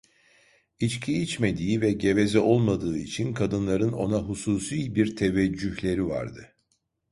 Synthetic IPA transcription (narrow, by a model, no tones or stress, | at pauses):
it͡ʃcʰiit͡ʃme̞d̪iːivɛɟe̞vezɛʔo̞lˠmad̪ɯːit͡ʃʰinkʰad̪ɯnlˠaɾɯno̞̰naɦusuːsiːbiɾt̪ʰe̞vɛd͡ʒːyçlʲe̞ɾiva̰ɾd̪ɯ